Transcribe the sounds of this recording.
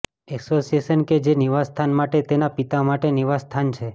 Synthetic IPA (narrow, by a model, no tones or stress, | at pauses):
ɛksosiesənked͡ʒeniʋast̪ʰanmaʈet̪enapit̪amaʈeniʋast̪ʰant͡ʃʰe